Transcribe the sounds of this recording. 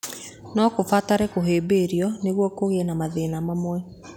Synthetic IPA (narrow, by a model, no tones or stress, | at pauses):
nɔkofataɾɛkoɦeːbeːɾiɔneɣwɔkoɣenamaðenamamwɛ